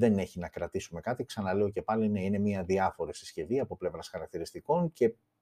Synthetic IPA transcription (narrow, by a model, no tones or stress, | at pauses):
ðe̞ne̞çinɐkɾɐt̪isume̞kɐt̪iksɐnɐle̞o̞ce̞pɐline̞ine̞miɐðiɐfo̞ɾifsisce̞viɐpo̞ple̞vɾɐsxɐɾɐkt̪iɾist̪iko̞nce̞